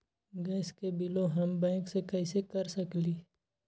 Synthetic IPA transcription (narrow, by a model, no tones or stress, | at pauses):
ɡɛːskebɪloɦɐmbɛ̃ːksekɛɪsekɐɾsəkliː